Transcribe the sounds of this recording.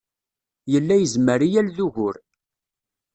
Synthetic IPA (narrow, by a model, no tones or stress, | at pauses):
jəlːæjəzməɾijælðuʝʊɾ